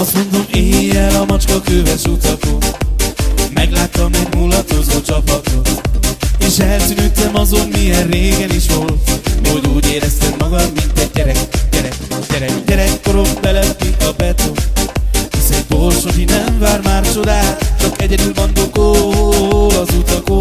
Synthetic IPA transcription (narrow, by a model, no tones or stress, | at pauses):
ɒst̪mo̞nd̪o̞meːjɛlɒmɒt͡ʃkɒkøːvɛʃut̪ɒt̪o | mɛɡlaːt̪ːɒmɛɟmulɒt̪kozoːt͡ʃɒpɒt̪hot̪eːʃɛlt̪ynyːt̪ːɛmɒzo̞mːijɛnreːɡɛniʃholt̪oɟuːɟeːɾɛst̪ɛmːɒɡɒd̪mint̪ɛɟ̚ːɛɾɛkɟɛɾɛkɟɛɾɛkɟɛɾɛkːoɾo̞mbɛlɛpt̪iɒbɛt̪o | hisɛnborʃokinɛɱvaːrmaːrt͡ʃo̞d̪aːt͡ʃɒkɛɟɛd̪ylmond̪oko | lɒzut̪ɒko